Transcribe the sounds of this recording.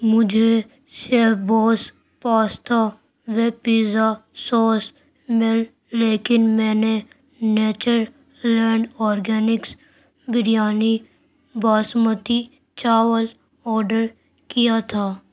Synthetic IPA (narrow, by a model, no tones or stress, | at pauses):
mʊd͡ʒʱe | ʃeːbɔːs | paːst̪ʰa | ʋepiːzasɔːs | mɪlː | eːkɪnmɛ̃ːne | neːt͡ʃəɾ | lɛ̃ːɳɖɔːɾɡɛːnɪks | bɪɾijaːni | baːsmət̪i | t͡ʃaːʋəl | ɔːɾɖəɾ | kijat̪ʰaː